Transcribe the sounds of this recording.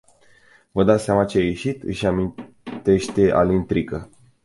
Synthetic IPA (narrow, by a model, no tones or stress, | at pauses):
vəd̪at̪sʲamat͡ʃeajeʃit̪ɨ̰ʃamin | t̪e̞ʃt̪e̞ʔa̰lint̪ɾikə